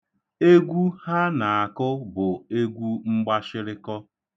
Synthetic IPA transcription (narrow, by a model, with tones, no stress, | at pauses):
e˦ɡʷu˦ha˦na˨a˨kʊ˦bʊ˨e˦ɡʷu˦ŋ͡m̩˦ɡ͡ba˦ʃɪ˦ɾɪ˦kɔ˦